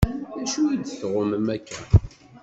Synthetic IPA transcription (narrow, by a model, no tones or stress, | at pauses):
æʃud̪θʁəməmækːæ